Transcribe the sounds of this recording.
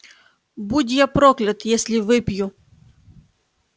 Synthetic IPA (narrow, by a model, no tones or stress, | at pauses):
budʲjapɾɔklʲɐt̪jɛsʲlʲɪʋɪpʲju